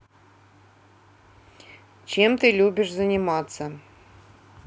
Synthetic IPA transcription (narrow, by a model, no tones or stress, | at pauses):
t͡ɕemt̪ɨlʲubʲɪʂzənʲimɑt̪sə